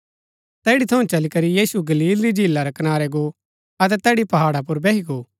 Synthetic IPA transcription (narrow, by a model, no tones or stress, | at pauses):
t̪ɛːɽit̪ʰɐũt͡ʃɐlikɐɾijiːsuɡɐliːlɾid͡ʒʱiːlːaɾɐkɐnaːɾɛɡo | ɐt̪̬ɛt̪ɛːɽipɐɦaːɽap̬ʊɾbɛːɦiɡoː